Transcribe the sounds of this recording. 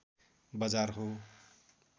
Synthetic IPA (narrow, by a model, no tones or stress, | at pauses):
bʌd͡zarɦo